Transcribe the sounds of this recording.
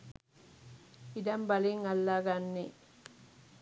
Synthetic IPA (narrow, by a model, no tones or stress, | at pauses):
idɐmbɐliŋɐlːaɡanːi